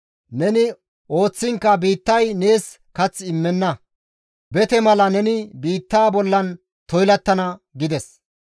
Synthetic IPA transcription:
nɛnɪ | ʔo̞ːt͡sːɪŋkːɐbiːt̪ːɐjne̞ːs | kɐt͡sːɪmːɛnːɐ | bɛt̪ɛmɐlɐnɛnɪbiːt̪ːaːbɔlːɐn | t̪ɔjlɐt̪ːɐnɐɡɪd̪ɛs

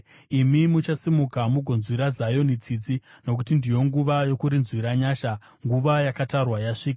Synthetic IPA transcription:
imimut͡ʃasimukamuɡʱo̞nzwiɾazajo̞nit͡sid͡zino̞k̬utindijo̞ŋɡuʋajo̞kuɾinzwiɾaɲaːʃa | ŋɡuʋajakatarwajaʂiːkaa

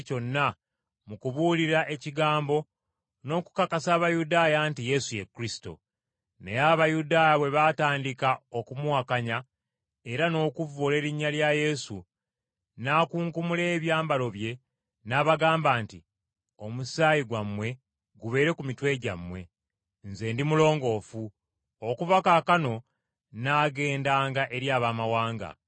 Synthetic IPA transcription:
co̞nːa | mukuβuːliɾaʔe̞ciɡaːmbo̞ | no̞ːku̥kakasaːβajudaːjantije̞suje̞kːuɾisto̞̰ | ne̞̰jaβajudaːjaβwe̞βataːndikao̞kumwaːkaɲa | e̞ɾano̞ːkuvole̞ːɾiɲːaljaje̞sṵ | naːkuːŋkumule̞ːβjaːmbalo̞βje̞ | naːβaɡaːmbaːnti | o̞musaːjiɡwamwe̞ | ɡuβe̞ːɾe̞kumitwe̞ːɟa̰mwe̞ | nze̞ːndimulo̞ːŋɡo̞ːfu | okuvakaːkano̞ | naːɡe̞ːndaːŋɡaʔe̞ɾjaːβaːmawaːŋɡa̰

